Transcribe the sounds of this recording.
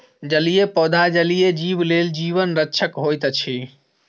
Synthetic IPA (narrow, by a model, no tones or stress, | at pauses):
d͡ʒəlijepɔd̪ʱad͡ʒəlijed͡ʒibleld͡ʒiʋənɾətːt͡ʃʰəkɦojt̪t͡ʃʰi